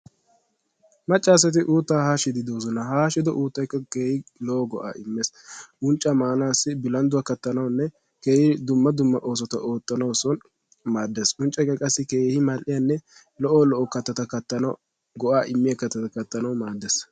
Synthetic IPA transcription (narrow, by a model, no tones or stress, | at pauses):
mɐt͡ʃʼːaːs̬ɛt̪̬ɪʔuːt̪ːaːhaːʃɪd̪ɪd̪oːzɔnɐhaːʃɪd̪ɔʔuːt̪ːɐjkːɐkeːhɪlɔʔɔɡɔ̰ʔa̰ːɪmːes | ʊnt͡ʃʼːɐmaːnaːsːɪbɪlɐnd̪ʊwakɐt̪ːɐnɐwnːɛ | ke̞ːhɪd̪ʊmːɐd̪ʊmːɐʔo̞ːs̬ɔt̪ɐ̰ʔo̞ːt̪ʼːɐnɐwɔsɔn | maːd̪ːeːsʊnt͡ʃʼːɛkːɐkʼɐsːɪke̞ːhɪmɐlʔɪjanːɛ | lɔʔɔlɔʔɔkɐt̪ːɐt̪ɐkɐt̪ːɐn | ɡɔʔaːʔɪmːɪjɐkɐt̪ːɐt̪ɐkɐt̪ːɐnɐwmaːd̪ːeːs